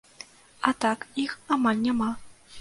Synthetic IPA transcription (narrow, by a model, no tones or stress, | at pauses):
at̪akixamalʲnʲama